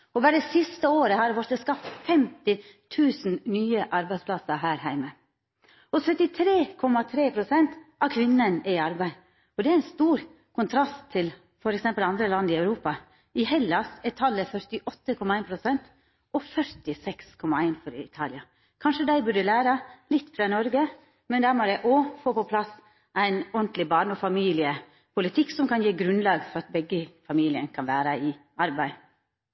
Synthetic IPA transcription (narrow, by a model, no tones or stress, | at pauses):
ɔbæːɾəsɪst̪əoːɾəhɑɾʋɔɾt̪ːəskɑft̪fɛmt̪ɪt̪ʰʉːsn̩nyːəʔɑɾbæɪspʰlɑsəɦæːɾɦæɪmə | ɔsœt̪ːɪt̪ʰɾeːkʰɔmːɑt̪ʰɾeːpʰɾʊsɛnt̪ɑkʰʋɪnːənɛɑɾbæɪ | ɔd̪ɛæɪnst̪uːɾ | kʰʊnt̪ʰɾɑst̪ʰːɪl | fɔɾɛksɛmpəlɑnd̪ɾəlɑnd̪ɪœʉɾuːpɑ | ɪhɛlːɑsɛt̪ʰːɑlːəfœɾt̪ɪʔɔt̪ːəkʰɔmːɑæɪnpʰɾʊsɛnt̪ | ɔfœɾt̪ɪsɛkskʰɔmːɑæɪnfɔɾɪ̰t̪ʰɑːlɪɑ | kʰɑnʂəd̪æɪbʉɖəlæːɾɑlɪt̪ːfɾɑːnɔɾɡə | mɛnd̪æːɾmɔd̪æɪʔɔfoːpɔpʰlɑs | ʔæɪnɔnt̪lɪbɑːɳɔfɑmiːlɪə | pʰʊlɪt̪ʰɪkːsɔmkɑnjeːɡɾʉnlɑːɡfɔɾɑt̪̚bɛɡːəfɑmiːlɪənkʰɑnʋæːɾəɪʔɑɾbæɪ